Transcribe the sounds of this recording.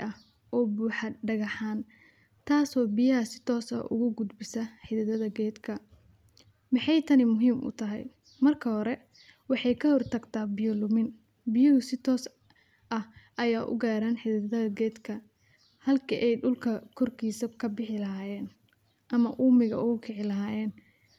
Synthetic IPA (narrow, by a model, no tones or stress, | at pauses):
ʔɐ | ʔɔːbuːħɑɖɐɣɐħaːn | t̪ʰaːsɔːbɪjɐɦɐsɪ̥t̪ʰɔːsɐ̰ʔʊ̰ɣʊɡʊd̪bɪsɐħɪðɐðɐðɐɡɛːd̪kʰɐ | mɑħɑjt̪ʰɐnɪmʊɦiːmʔʊ̰t̪ʰɐɦɛ̰j | mɐrkʰɐɦɔɾɛ | wɑħɑjkʰɐhɔrt̪ʰɐɡt̪ʰaːbɪjɔlʊmɪn | bɪjʊhʊsɪt̪ʰɔːs | ʔɐhʔɐjaːʔʊ̰ɡaːɾaːnħɪðɐðɐðɐɡɛːd̪kʰɐ | hɐlkʰɐʔɛjɖʊlkʰɐkʰɔrkʰiːsɐkʰɐbɪħɪlɐɦaːjɛːn | ʔɐmɐʔuːmɪɣɐ̰ʔʊɣʊkʰɪʕɪlɐɦaːjɛːn